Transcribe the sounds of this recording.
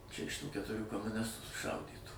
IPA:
ˈt͡ʃʲɛ ɪʃ ˈtuː kʲɛtʊˈrʲuː koːmʊˈnʲɪstuː sʊˈʃɐʊdʲiːtuː

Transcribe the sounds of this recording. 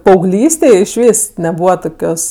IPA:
pɐɐʊˈɡlʲiːsʲtʲeːj ɪʃʲˈʋʲiːs nʲɛˈbuːʋɐ ˈtoːkʲoːs

